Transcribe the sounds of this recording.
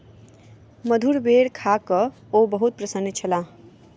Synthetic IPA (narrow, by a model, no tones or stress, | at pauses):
məd̪ʱuɾbeɽkʰakə | obəɦut̪̚pɾəsənːit͡ʃʰəla